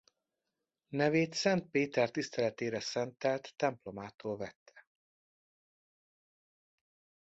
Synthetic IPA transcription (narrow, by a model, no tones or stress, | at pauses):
nɛveːt̪sɛnt̪̚peːt̪ɛrt̪ist̪ɛlɛt̪eːɾɛsɛnt̪ɛlt̪ːɛmplo̞maːt̪oːlvɛt̪ʰːɛ̥